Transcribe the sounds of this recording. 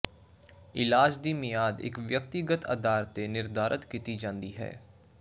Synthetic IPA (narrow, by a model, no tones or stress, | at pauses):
ɪlaːd͡ʒd̪iːmɪjaːd̪ɪ̰kʋjək̚t̪ɪɡət̪ə̰d̪aːɾt̪ːeːnɪɾd̪aːɾʔət̪kiːt̪iːd͡ʒãːnd̪iːɦɛ̰ː